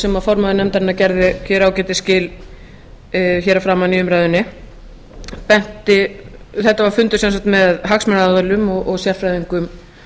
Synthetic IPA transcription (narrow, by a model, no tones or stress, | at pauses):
sɛmafɔɾmaðɪnɛmt̪aɾɪnːacɛɾðɪçɛːɾawcɛːt̪ɪscɪːl | çɛːɾafɾaːmaniːʏmɾaːjðʏnːɪ | pɛn̥t̪ɪ | θɛht̪ːavaɾ̥fʏnt̪ʏ̥sɛnsakt̪mɛðɦaksmɛnaaðʏlʏmɔɣʔɔɣsjɛɾ̥fɾajðiŋkʏm